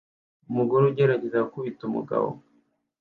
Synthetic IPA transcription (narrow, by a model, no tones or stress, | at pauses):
umuɡuɾuɟeɾaɟezakuβitumṵɡa̰βo̰